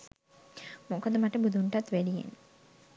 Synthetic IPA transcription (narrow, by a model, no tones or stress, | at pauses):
mukod̪əmaʈəbud̪uɳʈat̪ʋæɖijḛn